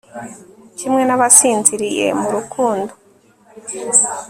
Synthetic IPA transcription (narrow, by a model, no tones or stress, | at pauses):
cimŋe̞naβasiːnziɾije̞̰muɾukʰuːndo